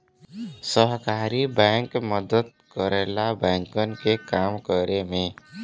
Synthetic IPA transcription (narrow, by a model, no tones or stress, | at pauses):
səɦkaːɾibɛ̃ːŋkməd̪əd̪̚ | kəɾeːlabɛ̃ːŋkənkekaːmkəɾemẽː